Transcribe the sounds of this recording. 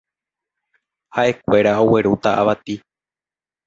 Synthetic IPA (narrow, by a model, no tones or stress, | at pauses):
haʔe̞kʷe̞ɾao̞we̞ɾut̪aʔa̰ʋat̪i